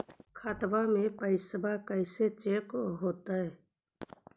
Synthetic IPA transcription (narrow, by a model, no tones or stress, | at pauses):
kʰaːt̪bamẽpəɪsəbakəɪset͡ʃeːkɦoːt̪aɦɛː